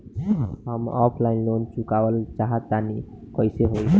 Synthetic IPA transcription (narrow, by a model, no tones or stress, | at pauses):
ɦəmɔpʰlainloːnt͡ʃukaʋəlt͡ʃaɦət̪ːani | kɔiseɦoi